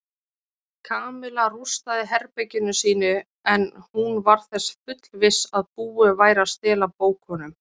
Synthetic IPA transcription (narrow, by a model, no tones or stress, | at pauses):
kʰaːmɪlarust̪aðɪɦɛɾpɛcɪnʏsiːnʏ | ɛnhunvaɾ̥θɛsfʏt̪l̥vɪsaðpuːɪvaːjɾast̪ɪːlapoːwkhɔnʏm